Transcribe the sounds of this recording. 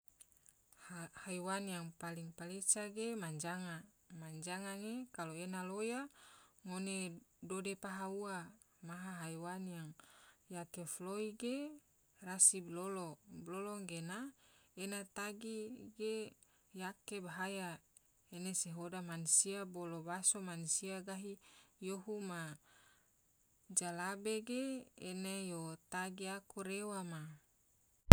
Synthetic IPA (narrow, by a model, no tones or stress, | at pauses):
haiwanjaŋpaliŋpalet͡ʃaɡemaɲd͡ʒaŋa | maɲd͡ʒaŋaŋekaloenalojaŋonedodepaɦaua | maɦaɦaiwanjaŋjakefloiɡe | rasiblolobloloŋɡenaenat̪aɡiɡe | jakebaɦaja | eneseɦodamansiabolobasomansiaɡaɦijoɦuma | d͡ʒalabeɡeenejot̪aɡiakuɾewama